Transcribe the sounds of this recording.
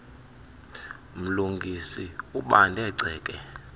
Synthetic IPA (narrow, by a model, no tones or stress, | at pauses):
m̩luŋɡʱisiuɓandʱɛǀʱɛːkʼɛ